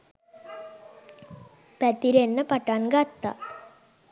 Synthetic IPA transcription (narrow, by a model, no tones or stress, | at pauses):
pæt̪iɾenːəpaʈanɡat̪ːa̰